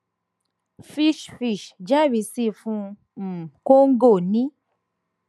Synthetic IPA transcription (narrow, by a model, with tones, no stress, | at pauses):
fi˧ʃfi˦˨ʃd͡ʒa˦˨wi˧˦si˦˨fũ˧˦ | m̩˨ko˦ŋ̩˦ɡo˦˨nĩ˨˦